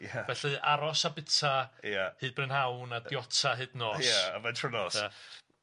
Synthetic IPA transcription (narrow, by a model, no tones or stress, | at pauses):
javɛɬɨʔaɾɔsabɪtʰajahɨːd̚brɨnhawnadjɔtʰaɦɨdnɔːsaavɛntʰrʊnɔsa